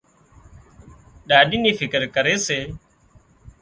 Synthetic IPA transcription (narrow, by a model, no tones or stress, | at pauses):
ɗaːɗiːniːfʰɪkəɾkəɾeːseː